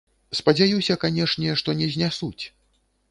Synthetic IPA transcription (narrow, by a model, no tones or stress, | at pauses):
spɐd͡zʲajusʲɐkanʲɛʂnʲɛʂt̪ɔnʲɛzʲnʲasut͡sʲ